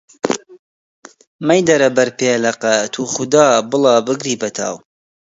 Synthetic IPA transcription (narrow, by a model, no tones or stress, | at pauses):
mɐjd̪ɐɾɐbɐɾpeːlɐqɛt̪ʰuːχʊd̪ɑːbɨlˠɑːbɨɡɾiːbɐt̪ʰa̰ːw